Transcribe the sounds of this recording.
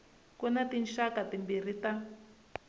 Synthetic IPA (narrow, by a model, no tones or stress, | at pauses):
kunatinʃakatimbir̤ita